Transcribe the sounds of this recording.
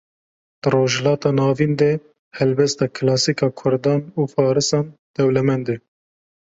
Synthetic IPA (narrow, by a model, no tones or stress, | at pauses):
d̪̥ɨɾoːʒɛlɑːt̪ɑːnɑːvind̪ɛ | hɛlbɛst̪ɑːkʰɨlɑːsikɑːkʰʊɾd̪ɑːnuːfɑːɾɨsɑːnd̪̥ɛwlɛmɛnd̪e